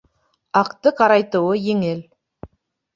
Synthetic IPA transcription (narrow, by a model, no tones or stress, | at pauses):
ɑqt̪əqʰɑɾɑjt̪uwəjeŋel